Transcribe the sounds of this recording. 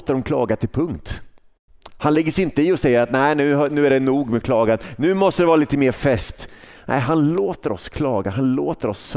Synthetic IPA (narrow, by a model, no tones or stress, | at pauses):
t̪əɾɔmkʰlɑ̰ːɡat̪ʰɪlpʰɵŋkt̪ | hanlɛɡːəsɪnt̪əɪɔsɛjːəɾat̪̚næɪnʉ̟ːɦnʉ̟ːæɖɛnuːɡmɛkʰlɑːɡannʉ̟ːmɔst̪əd̪ɛvɑːɾaliːt̪əmeːɾfɛst̪nʔæ̰ɪɦanloːt̪əɾɔskʰlɑːɡaɦanloːt̪əɾɔsː